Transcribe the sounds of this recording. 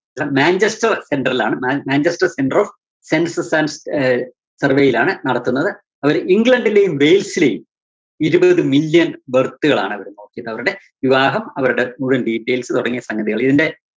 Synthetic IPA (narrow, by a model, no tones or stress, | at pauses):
ɐlːɐmaːɲd͡ʑesʈɐrse̞ɳɖɐrilaːɳɨmamaːɲd͡ʑɐsʈɐrsenɖɐroːf | senssɐns | sɐrʋejilaːɳɨnɐɽɐt̪ːunːɐðɨ | ɐʋɐɾiŋɡɭɐɳɖile̞jumʋe̞jlsile̞jum | iɾubɐðɨmilːjɐnbɐrt̪ːuɣɐɭa̰ːɳɨɐʋɐɾuno̞ːkːijɐðɐʋɐɾuɽe̞ | ʋiʋaːɦɐmɐʋɐɾuɽe̞muɻunɖiːʈːeːlsɨt̪uɽɐŋːijɐsɐŋɡɐðiɣɐɭiðinde̞